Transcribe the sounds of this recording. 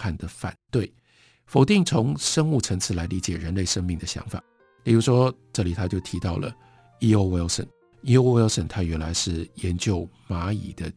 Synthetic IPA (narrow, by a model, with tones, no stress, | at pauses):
a˥˩nd̪ə˩fa̰˨˩nt̪we˥˩ɪ | fo˨˩ʊt̪i˥˩ŋt͡sʰʊ˧˥ŋʂə˥ŋu˥˩ʈ͡ʂʰɤ˧˥ŋt͡sʰɹ̩˥˩la˧˥ɪli˧˥t͡ɕjɛ˨˩ɻə˧˥nle˥˩ɪʂə˥ŋmi˥˩ŋd̪ə˩ɕjɑ̰˧˥ŋfa̰˨˩˦ | pi˨˩ɻu˧˥ʂwɔ˥ʈ͡ʂɤ˥˩li˨˩t̪ʰa˥t͡ɕjo˥˩ʊt̪ʰi˧˥t̪ɑ˥˩ʊlə̰˩ | i˥o˧˥ʊwe˥lsə̰˨˩˦n | i˥o˥wlsə˨˩nt̪ʰa˥ɥɛ˧˥nla˧˥ɪʂɻ̩˥˩jɛ˧˦˥nt͡ɕjo˥˩ʊma˧˥ḭ˨˩d̪ə˦